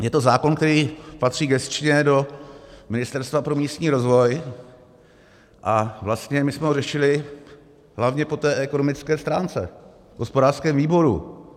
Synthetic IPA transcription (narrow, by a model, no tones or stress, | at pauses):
jɛt̪o̞zaːko̞nk̚t̪ɛɾiːpat̪r̝̥iːɡɛst͡ʃɲɛdo̞mɪnɪst̪ɛɾst̪vapɾo̞miːst̪ɲiːɾo̞zvo̞j | ʔavlast̪ɲɛmɪsmɛorɛʃɪlɪ | ɦlavɲɛpo̞t̪ɛːʔɛko̞nomɪt͡skɛːst̪ɾaːnt͡sɛ̰ | vɦo̞spodaːrskɛːmviːbo̞ɾṵ